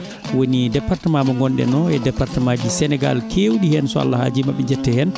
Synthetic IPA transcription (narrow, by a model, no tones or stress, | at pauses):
wonidɛpːartɛmaːmɔŋɡɔnɗɛ̰nɔɛdɛpːaɾtɛmad͡ʒisɛnɛɡa̰lkʰewɗihɛnsɔa̰lːaha̰d͡ʒimaɓɛɲd͡ʒɛtːɛhɛn